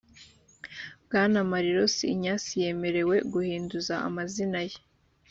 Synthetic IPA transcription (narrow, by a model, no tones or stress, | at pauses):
bɡaːnamaɾiɾo̞siːɲaːsije̞me̞ɾe̞we̞ɡuhiːnduzaʔa̰mazinaje